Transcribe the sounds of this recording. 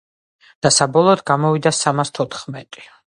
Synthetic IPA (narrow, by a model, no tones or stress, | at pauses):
d̪̥asabɔlˠɔːd̪ɡamɔvid̪asamast̪ʰɔt̪ʰχmɛt̪ʼi̥